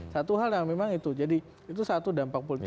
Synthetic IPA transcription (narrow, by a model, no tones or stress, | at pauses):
sat̪uɦaljaŋmemaŋit̪ud͡ʒadi | it̪̬usat̪udampak̚polit̪